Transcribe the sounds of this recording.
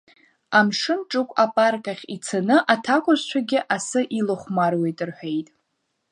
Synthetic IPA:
amʂɨnʈ͡ʂʼɨkʷʼapʼarkʼaχʲit͡sʰanɨʔatʰakʷʼʊzt͡ʃʷʰaɡʲɪʔasɨʔilɨχʷmarwejtʼɨrħʷᶣejtʼ

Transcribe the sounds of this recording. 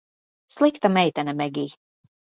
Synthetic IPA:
slˠikt̪amɛjt̪ɛnɛmɛɡʲiː

